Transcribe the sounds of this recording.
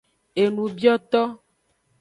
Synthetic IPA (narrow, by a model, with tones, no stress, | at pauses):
e˨nũ˨bi˦ɔ˦t̪ɔ˦